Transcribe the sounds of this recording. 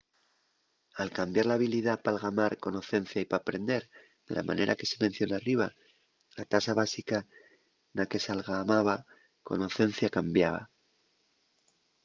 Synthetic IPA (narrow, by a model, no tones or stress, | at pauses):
alkambjaɾlaːβiliðapalɣamaɾko̞noθe̞n̟θjaipapɾe̞nd̪e̞ɾ | ðe̞̰la̰ma̰ne̞ɾʔake̞̥se̞men̟θjoneariβa | lat̪asaβasika | nake̞salɣamaβa | ko̞̰noθe̞n̟θjakambjaβa̰